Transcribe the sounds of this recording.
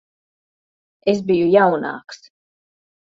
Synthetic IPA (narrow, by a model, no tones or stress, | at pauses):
esbijujawna̰ːks